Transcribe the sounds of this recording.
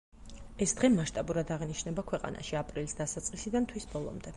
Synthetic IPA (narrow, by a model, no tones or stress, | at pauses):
ɛsd̪̥ʁɛmaʃt̪ʼabuɾad̪aʁiniʃnɛbakʰwɛqʼa̰na̰ʃiapʼɾilisd̪asat̪sʼqʼisid̪ant̪ʰwisbɔlˠɔ̰md̪ɛ